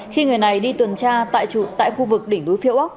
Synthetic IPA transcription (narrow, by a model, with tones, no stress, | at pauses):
xi˧ŋɨ˨˩əjna˨˩jɗi˧t̪wə˨˩nt͡ɕaː˧t̪a̰ː˧˨jt͡ɕṵ˧˩t̪a̰ː˧˨jxu˧vɨ˨˩k̚ɗï˧˩ŋ̟ɗu˨˦jfi˧˨wʔa˦˥wk͡p̚